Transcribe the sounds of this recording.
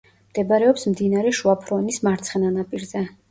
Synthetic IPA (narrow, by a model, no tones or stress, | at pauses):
md̪̥ɛbaɾɛɔpsmd̪inaɾɛʃuapʰɾɔnismaɾt̪sʰχɛnanapʼiɾzɛ